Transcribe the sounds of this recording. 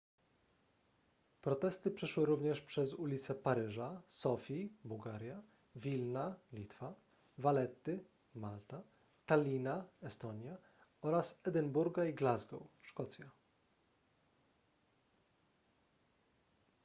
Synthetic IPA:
pɾɔt̪ɛst̪ɘpʂɛʂwɘɾuvɲɛʂpʂɛzulʲit̪sɛpaɾɘʐasɔfʲibuwɡaɾʲja | vʲilnalʲit̪fa | valɛt̪ːɘ | malt̪a | t̪alʲinaɛst̪ɔɲja | ɔɾasɛd̪ɛnbuɾɡaiɡlazɡɔ̰wʂkɔt̪sʲja

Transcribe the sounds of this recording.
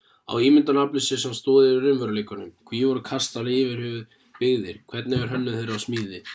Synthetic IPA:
a̰wiːmɪnt̪anaplʏsɪsɛmst̪ɔːðɪɪɾɪɾɪmvœɾleːkanʏmkʰviːjɛvɔɾʏkʰast̪alɪɪːvɪɾ̥hʏvʏð | pɪɣðɪɾ̥kʰvɛɾt̪nɛvɪɾ̥ɦœnːʏθejɾawsmiːðɪ

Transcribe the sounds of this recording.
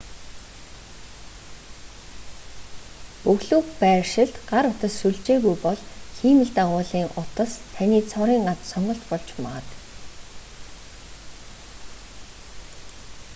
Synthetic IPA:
pɵɣɮuːkpæːrʃɪ̆ɮt̪ɢaɾʊt̪ə̆sʃuɮt͡ɕeːɣujpɔɮxiːmɘ̆ɮt̪aʁʊːɮiːŋʔʊt̪ə̆st̪ʰaniːt͡sʰɔɾiːŋɢat̪sɔɴɢɞ̆ɬt̪pɔɮt͡ɕmat̪

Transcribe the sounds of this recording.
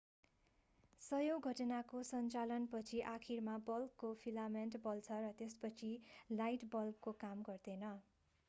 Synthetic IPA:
sʌjowɡʱʌʈʌnakosʌnt͡salʌnpʌt͡sʰiʔakʰirmabʌlkːopʰilamenʈbʌlt͡sʰʌɾʌt̪espʌt͡sʰilajʈbʌlkːokamɡʌrd̪enʌ

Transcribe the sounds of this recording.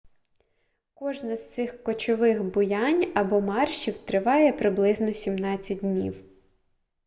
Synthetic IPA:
kɔʒnɐz̥t̪sɪxkɔt͡ʃɔʋɪxbʊjanʲɐbɔmɑrʃiwt̪ɾɪʋɑjɛpɾɪblˠɪznɔsʲimnɑt͡sʲːɐt̚ʲdʲnʲḭw

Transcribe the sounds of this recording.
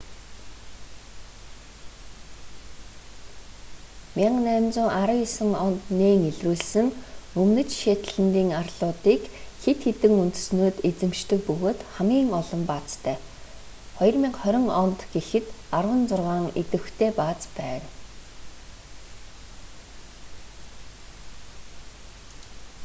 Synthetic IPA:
mʲiɴnæːmt͡sʊːʔaɾə̆wjisə̆ŋɔnt̪neːŋeɮruːɮsɘ̆ŋɵmnɵ̆t͡ɕʃeːt̪̆ɮɘ̆nt̪iːŋarɮʊːt̪iːkxet̪xet̪ɘ̆ŋunt̪ɵ̥̆snoːt̪et͡sɘ̆mʃt̪ɘ̆k̚pɵɣoːt̪χamɡʲiːŋɔɮɞ̆mpat͡st̪ʰœː | χɔj̆rmiːqχœɾʲɪ̆ŋɔnt̪ɡ̥exɘ̆t̪arwə̆nt͡sʊrʁaːŋet̪ɘ̆xt̪ʰeːpaːt͡spæːn

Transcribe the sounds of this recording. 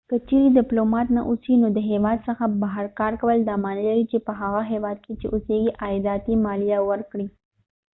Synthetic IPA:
kət͡ʃeɾedɪplomɑt̪naʔusinod̪əɦewɑd̪səxabaɦaɾkɑɾkawəld̪ɑmɑnəlaɾit͡ʃepəɦaɣaɦewɑd̪̚ket͡ʃeʔuseɡiʔɑjd̪ɑt̪imɑlijawəɾkɽi

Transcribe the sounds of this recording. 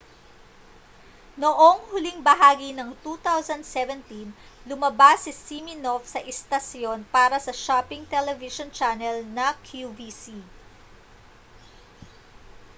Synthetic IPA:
noʔoŋhʊliŋbɐɦaːɡinɐŋt̪uːt̪awsɐnd̪sɛvɛnt̪in | lʊmɐbasɪsiminofsɐʔɛst̪ɐsjo̞npaːɾɐsɐʃapɪŋt̪ɛlɛvɪʃont͡ʃanɛlnɐkʰjuvisi

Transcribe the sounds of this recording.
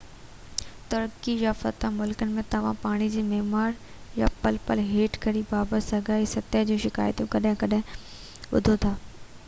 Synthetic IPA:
t̪ɐɾkijafɐ̰t̪amʊlkənɪ̆mẽt̪ɐʋ̤ã̰paːɽ̃id͡ʑiːmeːmaːɾ | ja̰pɐlpəlɦeːʈkɐɾibaːbət̪sɐɡʱaːisɐt̪əd͡ʑũːʃɪka̰ːjt̪ũkɐɗɦɪ̃kɐɗɦɪ̃ | ʋʊ̰d̪ʱot̪ʰaː

